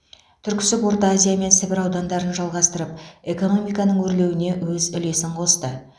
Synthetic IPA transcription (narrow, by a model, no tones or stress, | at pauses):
t̪ʰʏɾkʲɪ̥sɪpwo̞ɾt̪əazʲijame̞nsɪbɪɾɑwd̪ɑnd̪ɑɾənʒɑlˠʁɑst̪əɾəp̚e̞ko̞no̞mijkɑnəɴwɵɾle̞wɪne̞wɵzʏle̞sɪɴqʰo̞st̪ə